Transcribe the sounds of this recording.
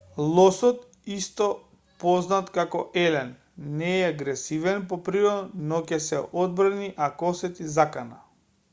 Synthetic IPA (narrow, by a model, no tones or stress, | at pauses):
lˠɔsɔt̪ | ist̪ɔ | pɔznat̪kakɔ̰ʔɛlɛnː | ɛɛaɡɾɛsivɛnpɔpɾiɾɔnɔcɛsɛʔɔd̪̚brniʔakɔsɛt̪izakana